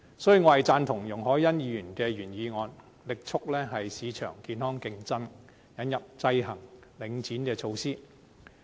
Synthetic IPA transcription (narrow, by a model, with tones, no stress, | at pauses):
sɔ˨˥jyː˨˩ŋɔː˨˥hɐ˨˩jt͡saː˧nt̪ʰʊ˨˩ŋjʊ˨˩ŋɦɔː˨˥jjɐ˥njiː˨˧jyː˨˩nkɛː˧jyː˨˩njiː˨˧ŋɔː˨˧n | lɪ˨k̚t͡sʰʊ˥k̚lɛː˥ɦɐ˨jsiː˨˧t͡ʃʰœ̰ː˨˩ŋkiː˨˧nhɔː˥ŋkɪ˧ŋt͡sɐ˥n | jɐ˨˥njɐ˨p̚t͡sɐ˧jɦɐ˨˩ŋlɪ˨˧ŋt͡siː˨˥nkɛː˧t͡ʃʰo˧wsiː˥